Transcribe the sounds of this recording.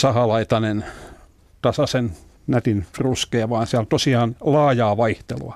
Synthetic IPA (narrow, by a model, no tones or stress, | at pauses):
sɑhɑlɑit̪ɑnen | t̪ɑsɑsen | næt̪infruskeːʋɑːnsiælt̪osiɑːnlɑːjɑːʋɑiht̪elṵɑ